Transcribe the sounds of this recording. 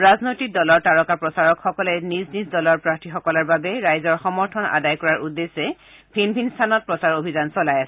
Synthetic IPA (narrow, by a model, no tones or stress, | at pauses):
ɹaznojtik̚dɔlɔɹtaɹɔkapɹɔsaɹɔkxɔkɔlɛniznizdɔlɔɹpɹak̚tʰixɔkɔlaɹbabɛɹajzɔɹxɔmɔɹtʰɔna̰dajkɔɹaɹʔudːesɛ | bʰʱinbʱinstʰanɔt̚pɹɔsaɹobʱizansɔlajasɛ